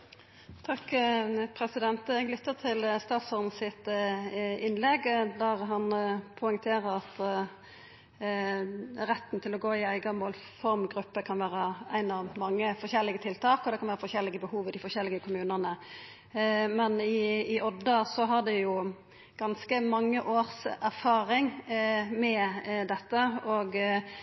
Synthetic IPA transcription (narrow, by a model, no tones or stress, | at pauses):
t̪ʰɑkːpʰɾɛsɪd̪ɛnt̪əɛɡlʏt̪ːət̪ʰɪlst̪ɑːt̪sɔʁn̩sɪt̪ | ɪnlɛɡd̪æʁɦɑnpʰɔɪŋt̪ʰeːɾəɾɑt̪ | ɾɛt̪ːn̩t̪ʰɪlɔɡoːɪæɪɡɑmoːlfɔɾmɡɾʉpːəkʰɑnʋæːɾəæɪnɑʋmɑŋːəfɔʁɕɛlːɪɡət̪ʰɪlt̪ʰɑːkɔd̪ɛkʰɑnʋæːɾəfɔɕçɛlːɪɡəbəhuːʋəd̪ɪfɔɕɛlːɪɡəkʰʊmʉːnənə | mɛnɪːʔɔd̪əsɔɦɑʁd̪ɛjʊ | ɡ̥ɑnskəmɑŋːəʔoːɾsæʁfɑːɾɪŋmɛd̪ɛt̪ːəɔɡ